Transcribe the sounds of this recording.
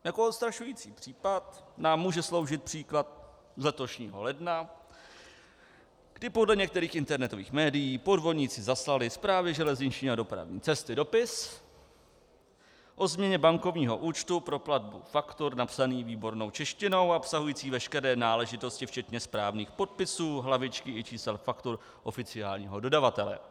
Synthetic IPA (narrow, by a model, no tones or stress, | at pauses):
jakoot̪st̪ɾaʃujiːt͡siːpr̝̥iːpat̪naːmːuːʒɛslo̞wʒɪt̪̚pr̥iːklat̪̚ | zlɛt̪o̞ʃɲiːɦo̞̰lɛdna | ɡ̥dɪpo̞dlɛɲɛk̚t̪ɛɾiːxɪnt̪ɛɾnɛt̪o̞vḭːxmɛːdɪjiːpo̞dvo̞dɲiːt͡sɪzaslalɪspɾaːvɪʒɛlɛzɲɪt͡ʃɲiːadopɾa̰vɲḭːt͡sɛst̪ɪdo̞pɪs | ʔo̞zmɲɛɲɛbaŋko̞vɲiːɦo̞ʔuːt͡ʃt̪upɾo̞plad̚bṵfakt̪oɾnapsaniːviːbo̞ɾno̞wt͡ʃɛʃcɪno̞waopsaɦujiːt͡siːvɛʃkɛɾɛːnaːlɛʒɪt̪o̞scɪft͡ʃɛt̪ɲɛspɾaːvniːxpo̞t̪̚pɪsuːɦlavɪt͡ʃkɪʔɪt͡ʃiːsɛlfakt̪oɾ | ʔo̞fɪt͡sɪaːlɲiːɦo̞do̞davat̪ɛlɛ̰